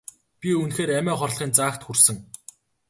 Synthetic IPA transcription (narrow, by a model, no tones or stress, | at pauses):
pʲiunxeːɾæmʲæːχɔrɮχiːnt͡saːxt̪xursɘ̆ŋ